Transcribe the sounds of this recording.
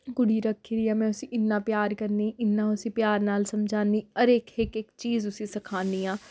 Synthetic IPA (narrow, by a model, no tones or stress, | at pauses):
ɡʊɽiɾɐkʰːiɾiãːmɛ̃ːʊsiʔɪnːaːpjaːɾkɐɾniːʔɪnːãʊsĩpjaːɾnaːlsɐmd͡ʒʱaːniɐɾeːkeːkeːkt͡ʃiːzʊsĩsɐkʰaːniãː